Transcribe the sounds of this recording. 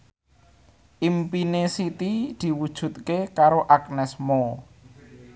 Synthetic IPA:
ʔimpinesit̪id̪̥i̤wud̥ʒ̥ṳt̪̚kekaɾoʔak̚nɛsmo

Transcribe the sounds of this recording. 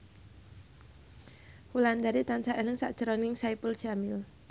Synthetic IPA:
huland̪aɾit̪ansaʔelɪŋsaʔd̥ʒ̥əɾɔnɪŋsaipuʊld̥ʒ̥amɪl

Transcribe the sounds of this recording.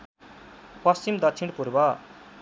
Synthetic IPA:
pʌst͡ɕimd̪ʌt͡sʰiɳ̃puɾbʌ

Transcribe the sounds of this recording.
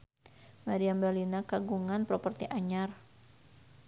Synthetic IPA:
maɾiambalinakaɡuŋanpɾɔpərt̪iʔaɲar

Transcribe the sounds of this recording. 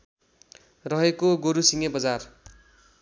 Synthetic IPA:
rʌɦekoɡoɾusiŋebʌd͡zar

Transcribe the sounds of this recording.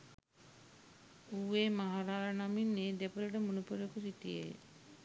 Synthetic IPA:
ueːmaɦaɾalanaminːed̪epuləʈəmunupuɾjokusit̪ijḛj

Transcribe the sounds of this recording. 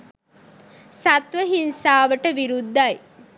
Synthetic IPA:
sat̪ʋəɦinsaːʋəʈəʋiɾud̪ːaj

